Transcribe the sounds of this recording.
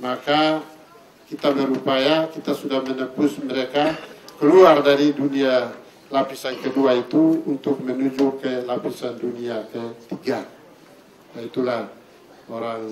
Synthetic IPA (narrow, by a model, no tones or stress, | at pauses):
maka | kit̪amɛɾupajakit̪asudahmɛnəpusmɛɾekakɛluardaɾidunia | lapisankɛduait̪uunt̪ʊk̚mɛnud͡ʒukɛlapisanduniakɛt̪iɡa | jait̪ulah | oɾaŋ